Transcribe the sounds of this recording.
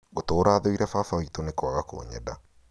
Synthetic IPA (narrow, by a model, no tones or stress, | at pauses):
ɣotoːɾaːðoiɾɛfafaitonekwaɣako̰ːɲɛ̰da